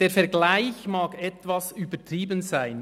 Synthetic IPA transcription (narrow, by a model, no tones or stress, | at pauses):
d̥eːɾfɛɾɡlaɪçmaːkɛtvasyːbətɾiːbənzaɪn